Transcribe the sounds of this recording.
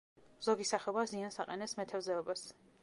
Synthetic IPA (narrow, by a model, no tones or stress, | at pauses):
z̥ɔɡisaχɛɔbaziansaqʼɛnɛsmɛt̪ʰɛvzɛɔbas